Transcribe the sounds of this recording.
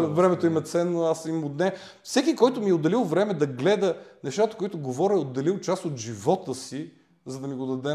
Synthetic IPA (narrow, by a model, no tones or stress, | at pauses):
vɾɛmɛt̪oimɛt̪sɛnːoasimod̪nɛ | fsɛkikɔjt̪ʊmiɛod̪ːɐlilˠvɾɛmɛd̪ɐɡlɛd̪ənɛʃt̪at̪əkʊit̪ʊɡovɔɾiod̪ːɐlilˠt͡ʃast̪ot̪ʒivɔt̪əsi | zɐd̪ɐmiɡod̪ɐd̪ɛ